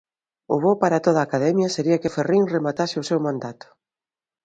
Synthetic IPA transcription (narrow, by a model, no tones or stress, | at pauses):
ʊ̰βopaɾat̪oð̞aːkaðɛmjɐseɾiɐkeferiŋremat̪asɪʊsewmãnd̪at̪ʊ̥